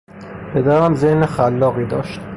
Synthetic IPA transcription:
pʰed̪æɾæmzehnexælːɒːɣiːd̪ɒ̰ːʃt̪̚

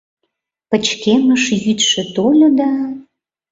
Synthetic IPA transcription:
pə̆t͡ɕkeməʃjyt̪ʃĕt̪olʲod̪ɑ

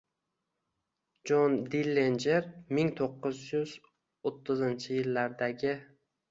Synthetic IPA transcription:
d͡ʒɒnd̪ilːe̞nd͡ʒe̞ɾmɪŋt̪ʰoqːɨzjʊz̥ | ot̪ʰːɪzɪnt͡ʃʰɪjɪlːaɾd̪aɡʲɪ

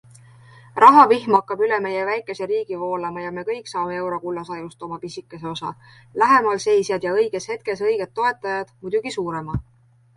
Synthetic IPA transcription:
rɑɦɑvihmɑkːˑɑbyleme̞je̞væjkːˑe̞se̞ɾiːɡ̥ivo̞ːlɑmɑjɑme̞kɤjksɑːme̞e̞wɾo̞kulːɑsɑjust̪o̞mɑpisikːˑeseo̞sɑ̰ | læɦe̞mɑlse̞jsjɑd̪jɑɤjɡ̥e̞she̞t̪̚ke̞s̬ɤjɡ̥e̞t̪ːo̞e̞t̪ːˑɑjɑd̪̥mud̪uɡ̥isuːɾe̞mɑ

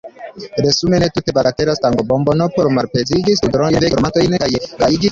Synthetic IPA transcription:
ɾesumenetute̞balateɾastaŋɡobombonopoɾmaɾpeziɡisudɾodeoɾmantojnkajkaid͡ʒi

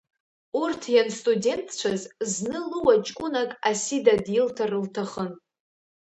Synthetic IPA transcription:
urtʰjanstʼudʲe̞ntʰt͡ʃʷʰazznɨluwat͡ʃʼkʷʼʊnakʼasidadjɪltʰarɨltʰaχən

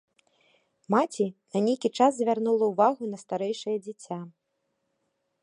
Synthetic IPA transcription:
mat͡sʲinɐnʲejkʲit͡ʂaz̬zʲvʲarnulˠɐuvaɣunɐst̪aɾɛjʂɐjɐd͡zʲit͡sʲa

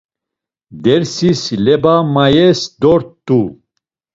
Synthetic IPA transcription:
d̪ɛɾsislɛbamajɛsd̪ɔɾt̪ʼːu

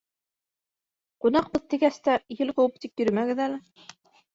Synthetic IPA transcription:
qunɑqbɤðt̪ɘ̆ɡæst̪æjɘlˠqowɤp̚t̪ipjɵ̆ɾɘ̆mæɡɘ̆ðælɘ

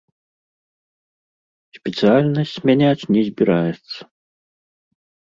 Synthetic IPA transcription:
sʲpʲɛt̪sɨjalʲnɐsʲt͡sʲmʲanʲat͡sʲnʲɛzʲbʲiɾajɛt̪sːɐ̥

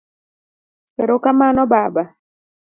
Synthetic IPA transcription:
ɛɾokamaːnɔbaːba

